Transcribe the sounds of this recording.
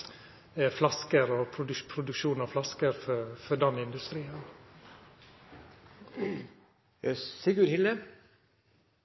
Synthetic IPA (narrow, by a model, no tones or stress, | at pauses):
flɑskəɾɔpʰɾʊd̪pʰɾʊd̪ʉkʃuːnɑʋflɑskəɾffɔd̪ɑnɪnd̪ʉst̪ɾiːən | seɡʉːd̪hɪlə